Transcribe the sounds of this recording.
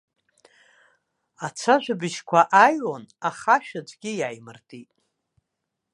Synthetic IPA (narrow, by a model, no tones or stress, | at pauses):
at͡sʷʰaʒʷᶣabɨʃkʷʰaʔajonaχaʃᶣad͡zʷɡʲɪjajmɨrtʼitʼ